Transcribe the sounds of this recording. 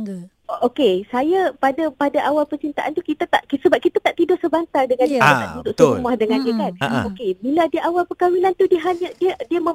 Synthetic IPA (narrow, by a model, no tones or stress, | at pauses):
okesajapadapadaʔawalpənt͡ʃint̪aʔant̪ukit̪at̪aʔksəbap̚kit̪at̪aʔt̪idʊhsəbant̪ardəŋãniaaʔdudʊʔsəumahdəŋãndəkana̰okebiladiəʔawalpəkawinant̪udiəɦaɲadiədiəmə̃